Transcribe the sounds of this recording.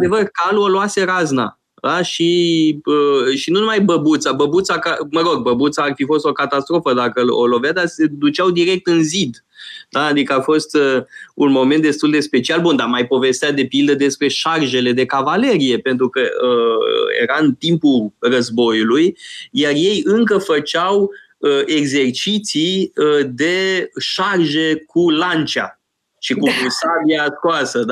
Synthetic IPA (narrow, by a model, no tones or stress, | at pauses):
d̪e̞vərkaluoloase̞ɾazna̰ | d̪aʃiəʃinunumajbəbut̪sabəbut̪sakaməɾo̞ɡ̚bəbut̪saːrfifo̞st̪o̞kat̪ast̪ɾo̞fəd̪akəo̰lo̞vjad̪ase̞d̪ut͡ʃawd̪iɾe̞k̚t̪ɨnzid̪ | d̪̥aːd̪ikəafo̞st̪əunmo̞me̞nt̪̚d̪e̞st̪uld̪espe̞t͡ʃialbund̪amajpo̞ve̞st̪eat̪̚d̪e̞pild̪əd̪e̞spɾe̞ʃarʒe̞le̞d̪e̞kavale̞ɾije̞pent̪̬ɾukəəjḛɾaɨnt̪impurəzbo̞julujjarje̞jɨŋkəfət͡ʃaw | əeɡze̞rt͡ʃit̪siəd̪e̞ʃarʒe̞kulant͡ʃa̰ | ʃikuvusaviaskoasəd̪